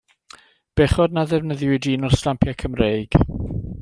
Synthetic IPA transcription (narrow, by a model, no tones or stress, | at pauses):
b̥ɛχɔdnaðɛvnəðjwɪdinɔr̥slampʰjakʰəmrejɡ̥